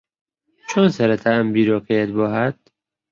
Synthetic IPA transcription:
t͡ʃʰonsæɾet̪ʰæmbiːɾɒːkʰejed̪bɔːɦæd̪̥̚

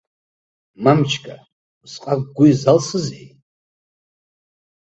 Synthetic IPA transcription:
mamt͡ʃʰkʼa | sqʼak̚ɡʷʊjzalsɨzej

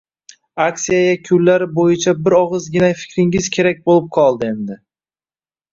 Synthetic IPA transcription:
aksijajakʲʰʊlːaɾɪbojɪt͡ʃʰabɪɾɒʁɨzɡʲɪnafɪ̥kʲɾɪŋɪzkʲʰe̞ɾak̚ʲbolˠɪp̚qʰɒlˠd̪ɪe̞nd̪ɪ

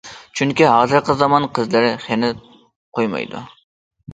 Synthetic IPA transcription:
t͡ʃʰyŋkʲiɦɑːzɨɾqʰəzɑmɑnqʰəzlɨɾɪχenɪ | qʰojmɑ̰jd̪ṵ

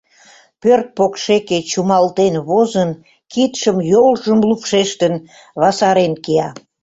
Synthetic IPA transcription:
pørt̪̚pokʃeket͡ɕumɑlt̪enβozən | kit̪ʃəmjolʒəmlupʃeʃt̪ən | βɑsɑɾenkeɑ

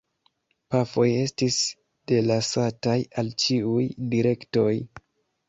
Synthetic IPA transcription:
pafo̞je̞stis | d̥e̞lasatajalt͡ʃiujdiɾe̞kto̞j

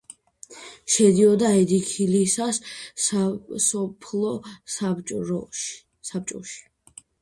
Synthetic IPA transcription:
ʃɛd̪iɔd̪aɛd̪ikʰilisas | sɔpʰlˠɔsabt͡ʃʼɔ | sap̚t͡ʃʼɔ̰ʃi̥

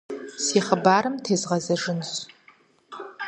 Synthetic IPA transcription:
siːχəbaːɾɨmtʰeːzʁɐzɐʐɨnɕ

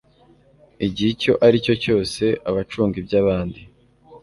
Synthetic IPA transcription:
iɟiico̞ʔaɾico̞co̞ːse̞ʔaβat͡ʃuːŋɡibjaβaːndi

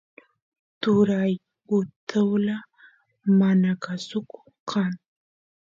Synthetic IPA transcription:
t̪ʊɾaj | ʊt̪ʰɪwla | manakasʊkʊ̥ | qʰaŋ

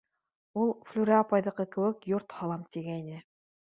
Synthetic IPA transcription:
ulˠflʲʉɾæːpɑjðɤ̆qɤkɘ̆wɘkjoɾt̪hɑlˠɑmt̪iɡæinɘ

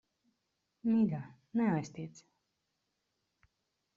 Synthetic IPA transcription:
miɡa | nɛajst̪iɛt̪s

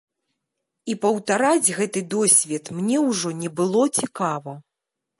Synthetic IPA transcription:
ipɐwt̪aɾad͡zʲɣɛt̪ɨd̪ɔsʲvʲɛt̪mnʲɛwʐɔnʲɛbɨlˠɔt͡sʲikavɐ

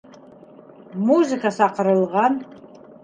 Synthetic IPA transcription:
muzɨkʰasaqəɾɨlˠʁɑn

